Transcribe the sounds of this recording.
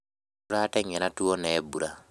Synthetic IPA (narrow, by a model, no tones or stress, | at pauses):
uɾatɛŋɛɾatuɔnɛːbuɾa